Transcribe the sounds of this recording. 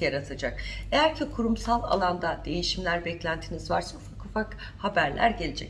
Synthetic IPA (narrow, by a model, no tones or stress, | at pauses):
jaɾat̪ʰad͡ʒake̞jæɾcʰikʰuɾumsalˠa̰lˠand̪ad̪̥e̞jiʃimlʲæɾbɛclʲænt̪ʰinizvaɾsaufakufak | habæɾlʲʔæ̰ɾɟe̞lʲe̞d͡ʒɛc